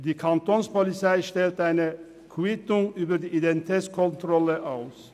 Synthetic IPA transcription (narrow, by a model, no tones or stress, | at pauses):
d̥̪iːkʰant̪ɔnspɔlɪt͡saɪʃtɛlt̪əaɪnə | kʰɪt̪ʊŋyːbɐd̪iːʔid̪ɛnt̪it̪ʰɛːskʰɔnt̪ʁɔləʔaʊs